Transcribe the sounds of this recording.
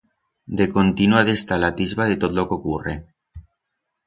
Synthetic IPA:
d̪ekont̪inuaðest̪alat̪izβaðet̪ot̪lokokure

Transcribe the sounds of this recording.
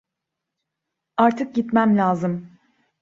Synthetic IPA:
aɾt̪ʰɯk̚ɟit̪mæmlʲaːzɯm

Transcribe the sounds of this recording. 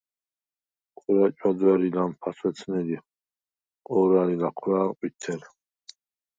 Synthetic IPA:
qʼɾat͡ʃʼad̪wɛɾid̪anpʰaswɛt̪sʰnɛli | ɔɾalilaqʰɾaːqʼwit̪ʰːɛn

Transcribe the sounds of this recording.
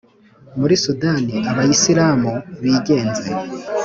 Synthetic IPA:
muɾisudaniaβajisiɾaːmuβiːɟe̞ːnzeɾe

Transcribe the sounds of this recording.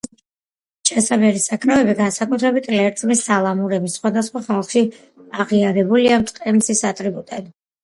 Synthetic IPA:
t͡ʃʰʼasabɛɾisakʰɾavɛbiɡansakʼut̪ʰɾɛbit̪ʰʼlɛɾt̪sʼmisalˠamuɾɛbisχwad̪asχwaχalˠχʃi | aʁiaɾɛbuliamt̪sʼqʼɛmisisat̪ʼɾibut̪ʼɛd̪

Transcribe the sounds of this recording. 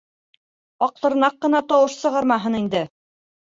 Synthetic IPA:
ɒq̚t̪ˠɤ̆ɾ̆nɑqːɤ̆nɑt̪ɒwɤʃsɤ̆ʁɑɾmɑɦɤnind̪ɘ

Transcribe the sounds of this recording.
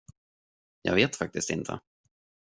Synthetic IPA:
jɑ̰ːɡveːt̪fak̚t̪ɪst̪ɪnt̪ʰə̰

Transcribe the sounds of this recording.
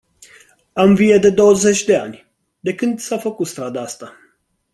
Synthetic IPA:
amvijed̪e̞d̪o̞wəzet͡ʃʲd̪e̞a̰nʲ | d̪e̞kɨnd̪safəkut̪st̪ɾad̪aast̪a

